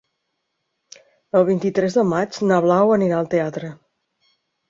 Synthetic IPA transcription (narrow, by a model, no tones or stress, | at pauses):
əlˠβint̪it̪ɾɛzðəmad͡ʒnəβlawəniɾaəlˠt̪eat̪ɾə